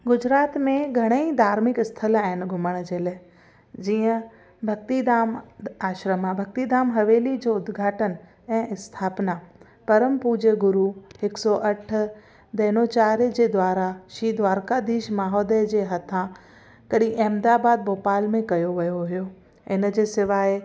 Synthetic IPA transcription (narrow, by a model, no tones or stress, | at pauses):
ɡʊd͡ʑɾaːt̪mẽɡʱɐɽ̃eid̪ʱaːɾmɪkɪst̪ʰəlaɦɪnɡʱʊməɽ̃d͡ʑeːlaːɪ | d͡ʑiːə̃ | bʱɐɡ̚t̪id̪aːmaːʃɾəmabʱɐk̚t̪id̪aːmɦɐʋeːlid͡ʑoʊd̪ɡʱaːʈən | ɛ̃ːɪst̪ʰaːpna | pɐɾəmpuːd͡ʑəɡʊɾuɦɪksɔʔɐʈ̆ʰ | d̪ɐːnot͡ɕaːɾijəd͡ʑeːd̪waːɾaʃiːd̪ʱʋaːɾkad̪iːʃmaːɦɔːd̪əd͡ʑeːɦɐt̪ʰã | kɐɗĩʔɛ̃ːmd̪aːbaːd̪̚boːpaːlmẽkɐjoʋɐjoɦijo | ɪnd͡ʑeːsɪʋaːɪ